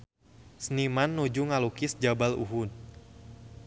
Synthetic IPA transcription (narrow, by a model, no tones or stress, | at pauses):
snimanːud͡ʒuŋalukɪsd͡ʒabalṵɦud̪̚